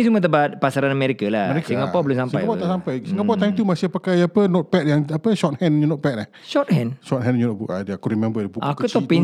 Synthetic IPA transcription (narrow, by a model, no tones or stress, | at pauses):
isumə̃t̪̬əbat̪̚pasaɾanameɾikalaəɾekaŋapabəlumsampaabawt̪aʔsampajɡisŋaʔbawt̪ːajmt̪umasihpəkajaapənɔt̪̚pɛt̪̚jaŋapəʃɔt̪̚hɛ̃nɲunɔt̚pɛt̚la | ʃɔt̪̚hɛ̃nʃɔt̪̚ɦɛ̃nɲunɔʔ̚buʔa̰deakuɾimɛ̃mbədebuʔakut̪ɔpin